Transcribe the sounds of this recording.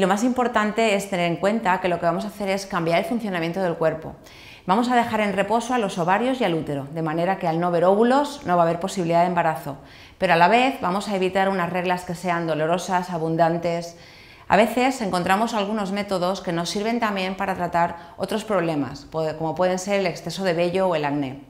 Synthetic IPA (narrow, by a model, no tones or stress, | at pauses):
ilo̞masimpo̞ɾt̪ant̪e̞est̪e̞ne̞ɾe̞ŋkwe̞nt̪ake̞lo̞ke̞βamo̞saθe̞ɾe̞skambjaɾe̞lfunθjo̞namje̞nt̪o̞ð̞e̞lkwe̞ɾpo̞̰ | bamo̞s̬að̞e̞xaɾe̞nre̞po̞so̞alo̞so̞βaɾjo̞sjalut̪e̞ɾo̞ðe̞mãne̞ɾake̞alno̞βe̞ɾo̞βulo̞zno̞βaːβ̞e̞ɾpo̞siβiliðaðe̞mbaɾaθo̞ | pe̞ɾoalaβe̞θβamo̞saeβ̞it̪aɾunazre̞ɣlaske̞se̞and̪o̞lo̞ɾo̞sasaβund̪ant̪e̞s | a̰β̞e̞θe̞se̞ŋko̞nt̪ɾamo̞salɣuno̞zme̞t̪o̞ðo̞ske̞no̞sːiɾβe̞nt̪ambje̞mpaɾat̪ɾat̪aɾ | o̞̰t̪ɾo̞spɾo̞β̞le̞ma̰spko̞mo̞pwe̞ð̞e̞nse̞ɾeleksθe̞so̞ðe̞βe̞ʎo̞ːe̞laɣne̞